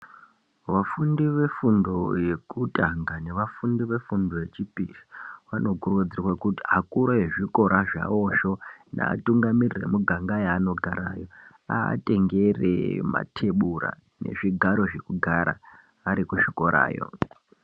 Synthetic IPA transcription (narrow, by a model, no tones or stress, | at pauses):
ʋafundiʋe̞fundo̞je̞kutʼaŋɡane̞ʋafundiʋe̞fundojet͡ʃipiʐiʋano̞kurud͡zirwakuti̥akuɾojeʐiko̞ɾʔaʐa̰o̞ʃo̞na̰ːtuŋɡamirire̞̰muɡʱaŋɡajaːno̞ɡʱaɾaːjo̞ | a̰ːtʼe̞ŋɡe̞rḛma̰tʰe̞ɓura̰ | ne̞̰ʐiɡʱaɾo̞ʐe̞kuɡʱaɾa̰ | ʋaɾikuʃiko̞ɾa̰ːjo̞̰